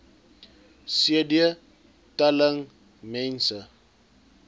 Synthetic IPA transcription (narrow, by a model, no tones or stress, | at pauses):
siədiə | tɐləŋ | mɛ̃nsə